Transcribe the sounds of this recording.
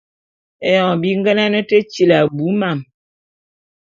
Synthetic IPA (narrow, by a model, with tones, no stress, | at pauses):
e˨jɔ˨bi˦ŋɡɛ˦na˦nə˦tə˦t͡ʃi˦la˨bu˨˦ma˦˨m